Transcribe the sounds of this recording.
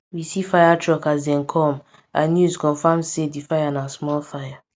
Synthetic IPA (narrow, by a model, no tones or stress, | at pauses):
wisifajatʰɹɔkazdɛ̃nkʰɔ̃m | ãnjuzkɔ̃nfãmsedifajanasmɔlfaja